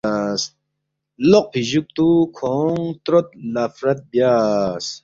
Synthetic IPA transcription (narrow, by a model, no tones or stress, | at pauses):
s | loq̚pʰiʑuk̚t̪ukʰoːŋt̪ɾot̪̚lafɾɐt̪̚bjas